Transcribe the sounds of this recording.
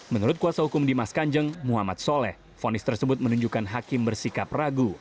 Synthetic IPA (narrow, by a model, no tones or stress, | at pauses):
mənuɾʊt̪̚kuasahukʊmdimaskaɲd͡ʒəŋmuɦama̰t̪̚solɛh | fonɪst̪ərsəbʊt̪̚mənuɲd͡ʒukanɦakɪmbərsikap̚raɡu